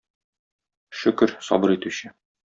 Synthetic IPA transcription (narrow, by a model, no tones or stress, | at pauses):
ʃɵ̆kɘɾsɒ̰bɤɾit̪ʉɕɘ